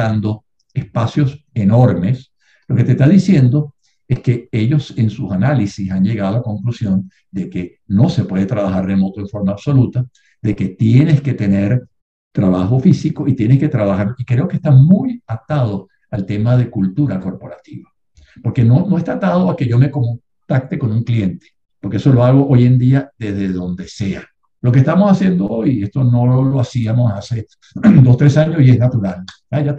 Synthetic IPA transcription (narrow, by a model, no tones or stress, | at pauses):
and̪o̞ | espasjo̞se̞no̞ɾme̞s | lo̞ke̞t̪e̞st̪aðisje̞nd̪o̞ | e̞ske̞e̞ʎo̞se̞nsusanalisisaɲʝe̞ɣaðolako̞ŋklusjo̞n | d̪e̞ke̞ | no̞se̞pwe̞ðe̞t̪ɾaβaxarre̞mo̞t̪o̞e̞ɱfo̞ɾmaːβso̞lut̪a | ðe̞ke̞t̪je̞ne̞sket̪e̞ne̞ɾ | t̪ɾaβaxo̞fisiko̞it̪je̞nesket̪ɾaβaxaɾikɾe̞okest̪amujat̪að̞o̞ | alt̪e̞mað̞e̞kult̪uɾako̞ɾpo̞ɾat̪iβa | po̞ɾke̞nonoest̪at̪að̞oake̞ʝo̞me̞ko̞muŋ | t̪ak̚t̪e̞ko̞nuŋklie̞nt̪e̥ | poɾkee̞so̞lo̞aɣ̞o̞ʔo̞je̞nd̪iaðe̞zðe̞ðo̞nd̪e̞se̞a | lo̞k̬est̪amosasje̞nd̪o̞o̞je̞st̪o̞no̞lo̞asiamo̞sase̞ | d̪ost̪ɾe̞saɲosie̞snat̪uɾal | aja